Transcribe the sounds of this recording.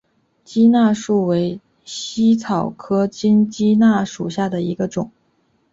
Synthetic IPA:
t͡ɕi˥na˥˧ʂu˥˩we˧˥ɪ | ɕi˥t͡sʰɑ˨˩ʊkʰɤ˥t͡ɕi˥nt͡ɕi˥na˥˩ʂu˨˩ɕja˥˩d̪ə˩i˧˥ɡə˧ʈ͡ʂʊ˨˩˦ŋ

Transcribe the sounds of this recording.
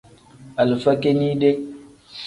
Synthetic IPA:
a˨lfa˦ke˦ni˦de˦k̚

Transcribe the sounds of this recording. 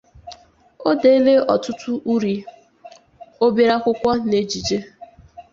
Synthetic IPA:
o˦de˨i˦le˦ɔ˨tʊ˦tʊ˦ʔu˦ɾi˨ | o˦bi˦ɾa˦kʷʊ˦kʷɔ˦ne˨d͡ʒi˨d͡ʒe˦

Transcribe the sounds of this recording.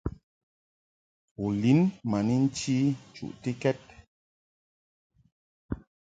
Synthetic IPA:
u˨li˨˦nma˨ni˦n̩˦t͡ʃi˦˨t͡ʃṵ˨ʔte˦kɛ˦t̚

